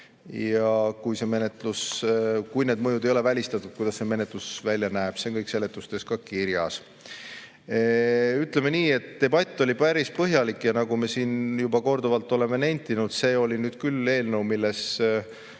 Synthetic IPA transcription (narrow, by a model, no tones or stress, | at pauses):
jɑkujse̞me̞ne̞t̪luskujne̞ːd̪̚mɤjud̪ejo̞le̞vælʲist̪ɑt̪ˑːud̪̚kujd̪̥ɑsse̞me̞net̪lusvælʲːjɑnæeb̥seŋkɤjkse̞le̞t̪ːˑust̪e̞skɑkiɾjɑ̰s | yt̪ˑle̞me̞niːe̞t̪ːe̞bɑt̪ʲˑːo̞lʲipæɾispɤɦjɑlikːˑjɑnɑɡ̥ume̞siːnjubɑko̞rd̪uvɑlt̪ːˑo̞le̞me̞nenʲt̪ːinud̪̥se̞ːo̞lʲinyːd̪̥kylːe̞ːlnewmilːe̞s